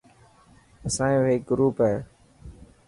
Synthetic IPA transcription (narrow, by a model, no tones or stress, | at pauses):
əsãːĩːʋɦeːk̚ɡɾuːpɦɛː